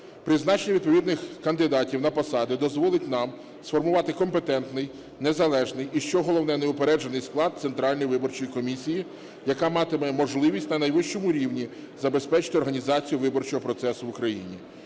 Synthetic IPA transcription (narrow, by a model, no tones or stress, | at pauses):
pɾɪznɑt͡ʃenʲiʋʲid̪pɔʋʲid̪nɪxkɐnd̪ɪd̪ɑtʲiwnɐpɔsɑd̪ɪd̪ɔzʋɔlˠɪtʲnɑm | sfɔrmʊʋɑt̪ɪkɔmpet̪ɛnt̪nɪj | nezɐlˠɛʒnɪjiʃt͡ʃɔɦɔlˠɔwnɛneʊpeɾɛd͡ʒɐnɪjsklˠɑd̪̚sent̪ɾɑlʲnɔjʋɪbɔrt͡ʃɔjikɔmʲisʲiji | jɐkɑmɑt̪ɪmɛmɔʒlˠɪʋʲisʲtʲnɐnɐjʋɪʃt͡ʃɔmʊɾʲiwnʲi | zɐbe̞spɛt͡ʃɪ̥t̪ɪɔrɦɐnʲizɑt͡sʲijʊʋɪbɔrt͡ʃɔɦɔpɾɔt̪sɛsʊʋʊkɾɐjḭnʲḭ